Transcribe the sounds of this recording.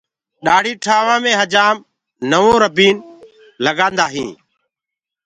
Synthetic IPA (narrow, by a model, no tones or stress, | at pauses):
ɗaːɽ̤iːʈʰaːʋãːmẽːɦəd͡ʒaːm | nəʋõːɾəbiːn | ləɡãːnd̪aːɦḭ̃ː